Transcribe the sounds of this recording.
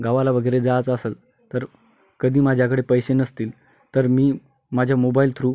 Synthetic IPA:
ɡaʋalaʋəɡəjɾed͡zat͡səsəl | t̪əɾ | kəd̪ʱiːmad͡ʑʱjakəɽepəjɕenəst̪iːl | t̪əɾmiː | mad͡ʑʱjamobailt̪ʰɾuː

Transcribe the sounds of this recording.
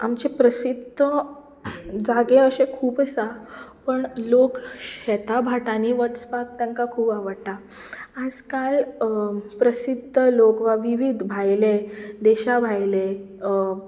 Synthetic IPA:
amt͡ɕepɾəsid̪ʱə | d͡zaɡeəɕẽkʰuːpəsapəɳlokɕɛt̪abʱaʈãniʋətspak̚t̪aŋkakʰuːpaʋəɽʈaː | d͡zkal | pɾəsid̪ʱəlokʋaʋiʋid̪ʱbʱajled̪ɛɕabʱajle

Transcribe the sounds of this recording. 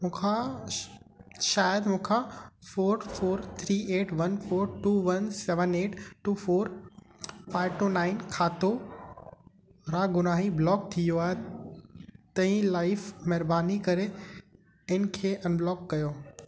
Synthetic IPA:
mũːkʰa | ʃaːjəd̪mũːkʰãfoːɾfoːɾt̪ʰɾiːeːʈʋɐnfoːɾʈuːʋɐnsɛːʋəneːʈʈuːfoːɾ | faːɪʋʈuːnaːɪnkʰaːt̪o | ɾaːɡʊnaːɦiblɔːk̚t̪ʰijoaːɦe | t̪ɐĩlaːɪfmɛɦɾbaːnikɐɾe | ɪnɪ̆kʰeːʔɐnblɔːkːɐjoː

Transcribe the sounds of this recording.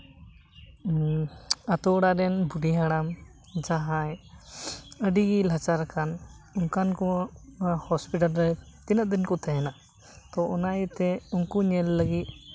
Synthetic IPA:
at̪ɔɽaɾɛnbuɖiɦaɽam | d͡ʒaɦaj | əɖiɡilat͡ʃaɾkʰan | unkankɔ | hɔspiʈalɾɛ | t̪inət̪̚d̪inkɔt̪ʰɛɦɛna | t̪ɔɔnajt̪ɛunkuɲɛlːəɡit̪̚ˀ

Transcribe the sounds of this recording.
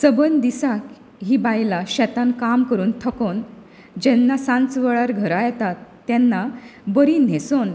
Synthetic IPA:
səbənd̪isak | ɦiːbajlaɕɛt̪ãnkamkəɾuːnt̪ʰəkon | d͡ʑɛnːasãnt͡sʋəɭaɾɡʱəɾajɛt̪at̪ːɛnːabəɾiːn̤eson

